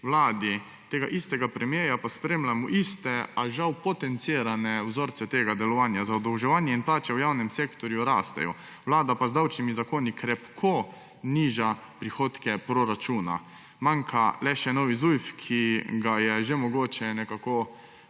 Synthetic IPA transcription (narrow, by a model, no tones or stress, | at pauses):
wlaːd̪i | t̪eːɡaʔist̪ɛɡapɾɛmjeːjapaspɾeːmlamuʔist̪ɛaʒawpɔt̪ɛnt̪siːɾanɛwzoːɾt̪sɛt̪eːɡad̪ɛlɔʋaːnjazaɔd̪ɐwʒɛʋaːnjɛinplaːt͡ʃɛwjawnɛmseːkt̪ɔɾjuɾaːst̪ɛ̰jɔ̰ | wlaːd̪apazd̪awt͡ʃnimizakoːnikɾɛpkʰo | niːʒapɾixoːt̪kɛpɾoɾat͡ʃuːna̰ | maŋkʰalɛʃɛnɔːʋizujfkʰiɡajɛʒɛmɔɡoːt͡ʃɛnɛkako